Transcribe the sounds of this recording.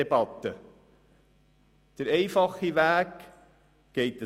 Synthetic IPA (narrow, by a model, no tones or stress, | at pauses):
ebɑt̪ːə | d̪̥əɾɛɪfɑχiʋæːkː | ɛɪt̪ə